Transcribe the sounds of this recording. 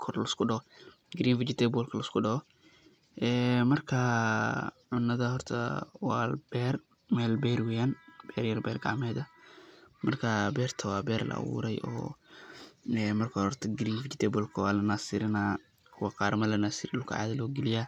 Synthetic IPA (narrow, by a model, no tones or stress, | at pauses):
kʰɔrlɐskʰʊɖɐɔ | ɡɾiːnfɪt͡ʃɪt̪ʰɛːbɔlkʰɐlɐskʰʊɖɐɔ | ʔɛːmɐrkʰɐ | ʕʊnːɐðɐɦɔrt̪ʰɐwab̥ɛːr | mɛːlbɛːɾwɛːjaːnb̥ɛːrjɐrbɛːrɡa̰ʕmɛːðɐ | mɐrkʰɐbɛːrt̪ʰɐwɑːbɛːrlɐ̰ʔɐ̰wṵːɾɛjʔɔ̰ː | ɛmɐrkʰɐhɔrt̪ʰɐɡɾiːnfɪt͡ʃɪt̪ʰɛːbɔlkʰɐwaːlɐnaːsɪɾɪnaː | kʰʊwɐqɑːɾmɐlɐnaːsiːɾʊlkʰʊ̰ʕa̰ːðɐlɔːɡɪlɪja